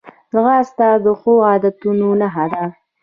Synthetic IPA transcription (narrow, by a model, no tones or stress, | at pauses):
d̪əɣaːst̪ɑd̪əxoɑd̪at̪unonaɦad̪a